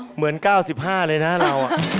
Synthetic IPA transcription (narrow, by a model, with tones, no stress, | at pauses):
mɯ˩˦ənkaː˥˩wsi˨˩p̚haː˥˩lɤː˧jna˦˥laː˧wʔa˨